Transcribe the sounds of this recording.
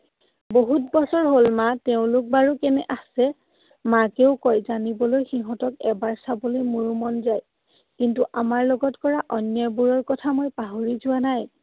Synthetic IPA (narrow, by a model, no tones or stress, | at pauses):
boɦutbɔsɔɹɦolmateʊ̃lʊk̚baɹukɛnɛʔasɛ | makeʊkɔjzanibɔlojxiɦɔtɔkɛbaɹsabolojmuɹumɔnzaj | kintuʔamaɹloɡɔtkɔɹaʔɔnjɔbuɹɔɹkɔtʰamojpaɦoɹizʊanaj